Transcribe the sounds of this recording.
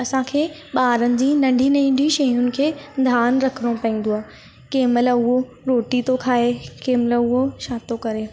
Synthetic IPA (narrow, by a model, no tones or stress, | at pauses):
ɐsãkʰeːɓaːɾənɪ̆d͡ʑĩːnɐ̃ɳɖʱinɐĩːɖʱiʃɐjʊnɪ̆kʰeːd̪ʱaːnɾɐkʰɪɽ̃õpɐĩːn̆d̪oaː | keːmɪlʊɦo | ɾoːʈit̪okʰaːekeːmlʊɦoʃaːt̪okɐɾeː